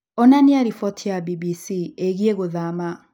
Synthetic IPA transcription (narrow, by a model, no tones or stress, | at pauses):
ɔnaniaɾifɔtʰijabibisieɣieɣoðama